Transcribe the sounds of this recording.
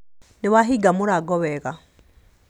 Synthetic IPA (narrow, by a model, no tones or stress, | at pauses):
neβaɦiɡamuɾaɡɔβɛɣa